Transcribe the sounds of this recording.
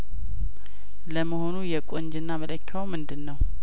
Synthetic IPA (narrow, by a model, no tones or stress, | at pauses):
ləməho̞nujɛkʷʼoɲd͡ʒɨnːamələkʰːawmɨnd̪ɨnːəw